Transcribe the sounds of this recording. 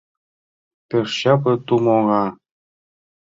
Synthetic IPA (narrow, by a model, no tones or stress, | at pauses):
peʃɕɑpɤ̆t̪umoɣɑ